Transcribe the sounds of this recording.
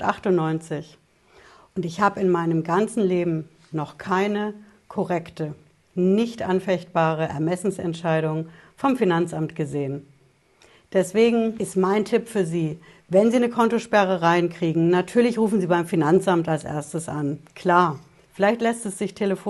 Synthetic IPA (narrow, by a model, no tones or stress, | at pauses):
ʔaχtʊnːɔʏnt͡sɪç | ʔʊntɪçhaːbəɪnmaɪnəmɡant͡sn̩leːbm̩ | nɔχkʰaɪnə | kʰɔʁɛktə | nɪçtʔanfɛçt̚b̥aːʁ̞əʔɛɐmɛsn̩sɛ̰ntʃaɪɾʊŋ | fɔmfinant͡samtɡ̥əzeːən | d̥ɛsv̥eːɡŋ̩ɪstmaɪntʰɪpfyːɐziː | vɛnziːnəkʰɔntoʃpɛʁ̞əʁaɪnkʁ̥iːɡŋ̩natʰyːɐlɪçʁuːfn̩ziːbaɪmfinant͡sʔamtalsʔḛːɐstəsʔankʰl̥aːɐ | fɪlaɪçtlɛstɛsz̥ɪçtʰeləf